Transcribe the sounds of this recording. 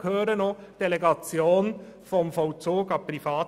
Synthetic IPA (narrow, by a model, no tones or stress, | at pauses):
khøːɾənod̥eleɡɑt͡sjoːnfɔmfɔt͡suːɡɑpɾifɑːt